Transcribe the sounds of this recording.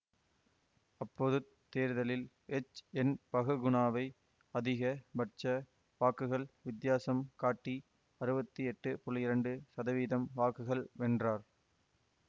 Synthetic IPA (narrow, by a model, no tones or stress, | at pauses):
ɐpːoːðɯ | t̪ːeːɾðɐlɪl | ɛt͡ʃɛnpɐɣɯɡʊɳaːʋɐɪ | ɐðɪɣɐbɐʈt͡ʃɐ | ʋaːkɯɣɐɭʋɪd̪jaːsɐmkaːʈːi | ɐɾɯbɐt̪ːɯɛʈːɯpɔɭɪjɪɾɐɳɖɯsɐðɐʋiːðɐmʋaːkɯɣɐɭʋɛndraːɾ